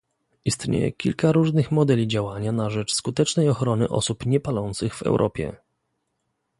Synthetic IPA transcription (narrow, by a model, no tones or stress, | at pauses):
ist̪ɲḛjɛ̰kʲḭlkaɾuʐnɘxmɔd̪ɛlʲid͡ʑawaɲanaʐɛt͡ʂskut̪ɛt͡ʂnɛjɔxɾɔnɘʔɔ̰supɲɛpalɔnt̪sɘɣvɛ̰wɾʔɔ̰pʲjɛ̰